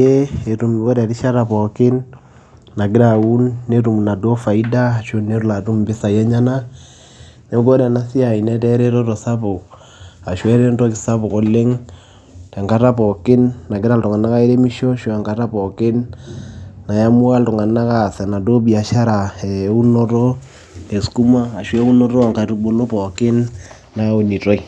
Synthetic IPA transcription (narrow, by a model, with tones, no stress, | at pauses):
e˦e˨tu˨mko˦ɾɛ˨ɾi˦ʃa˦ɾa˨pɔ˨kɪ˦n | na˨k̬ɪ˦ɾa˨u˦nːe˦tu˨m˨na˨do˦fa˨i˦da˦˨ʃo˦ne˦ɾu˦la˨tu˦mbɪ˦sa˨jɛ˦ɲa˦na˦ | ne˦ɡo˦ɾɛ˨na˦si˦a˨i˨nɛ˦tɛ˦ɾe˦ɾo˦tɔ˨sa˦bo˨ | a˨ʃwɛ˦ɾe˦ntɔ˦kɪ˨sa˦bo˨ko˨le˦ŋ | tɛ˨ŋka˦ta˦pɔ˨kɪ˦nːa˨kɪ˦ɾa˦ltʊ˨ŋa˨na˦ka˦e˦ɾe˦mi˦ʃɔ˦ʃɔ˨a˨ŋka˨ta˦pɔ˨kɪ˦nː | a˨ja˦mʊ˦a˦ltʊ˨ŋa˨na˦ka˦˨sɛ˨na˨do˦bi˨a˨ʃa˦ɾa˨e˨u˦nɔ˦tɔ˦ | e˨sku˦maː˦˨ʃwɛ˦u˦nɔ˦ɾɔ˦a˨ŋka˨tu˦bo˦lo˦pɔ˨kɪ˦nː | a˦o˨ni˨to˦i˨